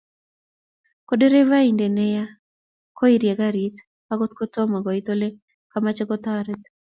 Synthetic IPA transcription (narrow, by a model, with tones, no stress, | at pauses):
kode˦ɾe˦va˦inde˨nɛ˦ja˦ | ko˦i˨ɾja˨ɡa˦ɾi˨t̪ | ka˦ɡo˦t̪ko˦tɔ˦ma˨ɡɔ˨it̪o˦le˦ | kamat͡ʃɛɡɔt̪ɔ˦a˨ɾɛ˦t̪̚